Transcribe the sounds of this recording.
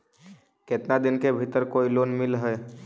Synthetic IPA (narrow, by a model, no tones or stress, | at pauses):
ket̪nad̪ɪnkebʱɪt̪əɾkoːiloːnmɪlɦɛː